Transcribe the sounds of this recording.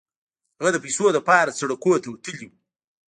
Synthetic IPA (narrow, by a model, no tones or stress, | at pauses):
haɣad̪əpisod̪əpɑɾat͡saɽakot̪awat̪əliw